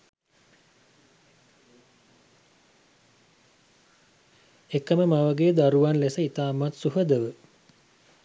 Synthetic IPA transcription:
ekəməmaʋəɡeːd̪aɾuʋanlesəit̪aːmat̪suɦəd̪əʋə

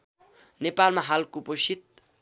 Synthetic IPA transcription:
nepalmaɦalkoposit̪̚

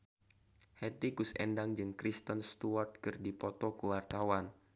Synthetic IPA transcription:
hɛt̪ikusɛ̰ndaŋd͡ʒɨŋkɾist̪ənst̪uart̪̚kɨrdipɔt̪ɔkuwart̪awan

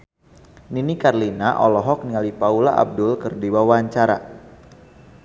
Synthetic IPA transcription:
ninikarlinaʔɔlɔɦɔk̚niŋalipaulaʔa̰b̚dʊlkərdiwawaɲt͡ʃaɾa̰

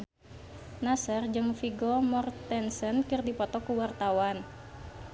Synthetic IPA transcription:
nasərd͡ʒəmfiɡɔmɔrt̪ɛnsənkɨrdipɔt̪ɔkuwart̪awan

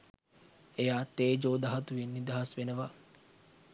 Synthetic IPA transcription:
ejaːt̪eːd͡ʒoːd̪ɐɦɐt̪uʋinːid̪ɐɦɐsʋenəʋa

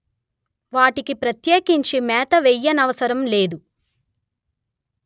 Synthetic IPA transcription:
ʋaːʈikipɾɐt̪jeːkiɲt͡ʃimɛːt̪ɐʋɛjːɐnɐʋɐsɐɾɐmleːd̪u

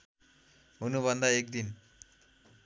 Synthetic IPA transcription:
ɦunuβʱʌnd̪aek̚d̪in

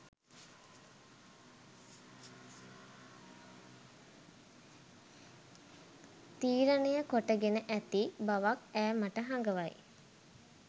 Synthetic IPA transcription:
t̪iːɾənejəkoʈəɡenəʔæt̪ibaʋakæːmaʈəɦaŋɡəʋaj

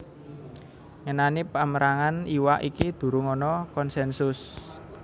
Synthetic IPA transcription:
ŋənanipaməɾaŋaniwaʔikid̪̥ṳɾuŋɔnɔkɔnsɛnsʊs

